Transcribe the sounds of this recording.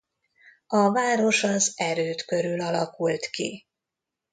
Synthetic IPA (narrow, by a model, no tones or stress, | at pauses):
ɒvaːɾo̞ʃɒzɛɾøːt̪kø̞ɾylɒlɒkult̪kḭ